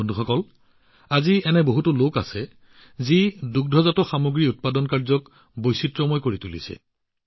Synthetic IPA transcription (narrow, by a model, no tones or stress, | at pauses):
ondʱuxɔkɔl | aziɛnɛboɦutʊloka̰sɛ | ziduk̚dʱɔzatɔxamoɡɹiut̚padɔnkaɹzɔk | bojsitɹɔmɔjkoɹitulḭsɛ̰